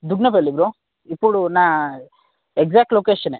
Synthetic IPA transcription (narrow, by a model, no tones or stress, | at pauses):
d̪uɡnɐpelːibɾo | ipːuɽunaː | eɡzaːk̚ʈloːkeːʃɐne